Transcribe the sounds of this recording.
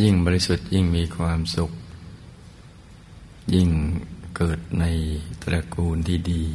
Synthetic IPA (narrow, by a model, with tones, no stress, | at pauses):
ji˥˩ŋbɔː˧ɾi˧su˨˩t̪̚ji˥˩ŋmiː˧kʰwaː˧msu˨˩k̚ | ji˥˩ŋkɤː˨˩t̪̚na˧jt̪ɾa˧kuː˧nt̪ʰiː˥˩diː˧